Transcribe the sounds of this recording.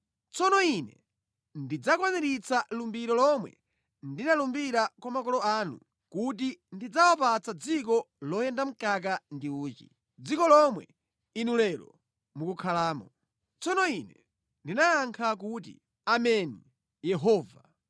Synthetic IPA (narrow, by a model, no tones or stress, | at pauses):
t͡sɔnɔinɛ | ndid͡zakwaniɾit͡salumbiɾɔlɔmwɛ̰ | ndinalumbiɾakwamakɔlɔaːnṵ | kutindid͡zawapat͡sad͡zik̬ɔ | lɔjɛndam̩kak̬andiuːt͡ʃḭ | d͡zikɔlɔmwɛ̰ | inulɛɾɔ̰ | mukukʰalaːmɔ | t͡sɔnɔinɛ | ndinajaŋkʰak̬ut̬ḭ | amɛni | jɛɦɔːva